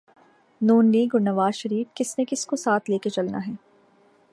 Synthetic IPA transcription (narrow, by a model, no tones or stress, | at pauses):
nuːnliːɡʊnːɐʋaːzʃɐɾiːfkɪsnekɪskosaːt̪ʰleːket͡ʃɐlnaɦɛː